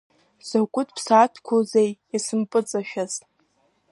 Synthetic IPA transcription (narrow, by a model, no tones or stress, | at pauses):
z̥akʷʼʊtʰpʰsaːtʰkʷʰozejasɨmpʼɨt͡sʼaʃᶣaztʼ